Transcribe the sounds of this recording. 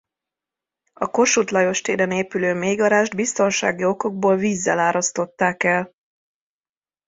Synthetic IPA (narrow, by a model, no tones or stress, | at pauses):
ɒko̞ʃut̪lɒjo̞ʃt̪eːɾɛneːpyløːmeːɡɒɾaːʒd̪bist̪o̞nʃa̰ːɡio̞ko̞ɡ̚boːlviːzːɛlaːɾɒst̪o̞t̪ːaːkɛl